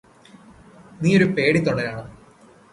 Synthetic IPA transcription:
niːoɾupe̞ːɽit̪ːoɳːɐɾaːɳɨ

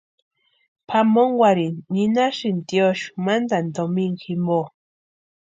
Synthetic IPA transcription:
pʰamoŋwaɾinːinaʃint̪joʃu̥mand̪and̪omiŋximbo

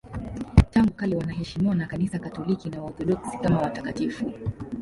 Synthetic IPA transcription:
taŋɡukalɛwanaɦɛʃimiwanakanisakatɔlikinawaɔθɔɗɔksi̥kamawatakatifu

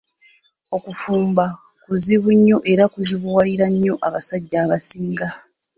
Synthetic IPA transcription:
o̞kufuːmba | kuziβuɲːo̞ʔe̞ɾakuziβuwaliɾaɲːo̞ʔaβasaɟːaːβasiːŋɡa

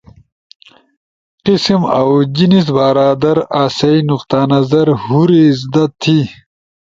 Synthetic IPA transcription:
qisimɐwd͡ʑinis̬baːɾaːd̪ɐɾaːsɐinuqt̪aːnɐzɐɾhuɾiːzd̪ɐt̪ʰːi

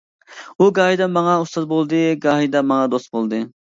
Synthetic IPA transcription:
uɡɑːɦid̪ɛmɑŋɑust̪ɑt̪̚bolˠd̪ɨɡɑːɦid̪ɑmɑŋɑd̪ost̪̚bolˠd̪ɨ

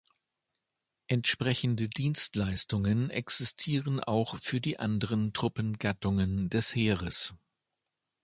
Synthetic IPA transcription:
ʔɛntʃpʁ̥ɛçn̩dədiːnstlaɪstʊŋənʔɛ̰ksɪstʰiːʁənʔa̰ʊxfyːɐdiːʔandəʁəntʁ̥ʊpən̩ɡatʊŋəndɛsheːʁ̞əs

